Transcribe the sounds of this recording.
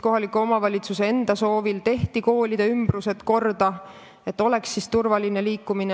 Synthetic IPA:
ko̞ɦɑlikuo̞mɑvɑlʲit̪suse̞e̞nd̪̥ɑso̞ːvilt̪e̞ht̪iko̞ːlʲid̪̥eymb̥ruse̞t̪ko̞rd̪̥ɑ | e̞t̪ːˑo̞le̞ksːist̪urvɑline̞liːkːˑumine

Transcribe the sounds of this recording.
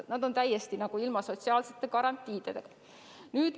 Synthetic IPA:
nɑd̪̥o̞nt̪æjːest̪inɑɡ̥uilmɑso̞t̪siɑːlse̞t̪ːˑe̞kɑɾɑnt̪ʲˑːiːd̪̥ed̪eɡ̥ɑ | nyːd̪̥

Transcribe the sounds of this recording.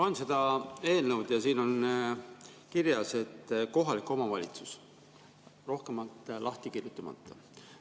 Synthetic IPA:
pɑnse̞d̪ɑe̞ːlnəwd̪̥jɑsiːno̞n | kiɾjɑse̞t̪ːˑko̞ɦɑlikːˑo̞mɑvɑlʲit̪su̥s | ro̞hkemɑlt̪ˑlʔɑht̪ikirjut̪ːˑɑmɑ̰t̪ːˑɑ

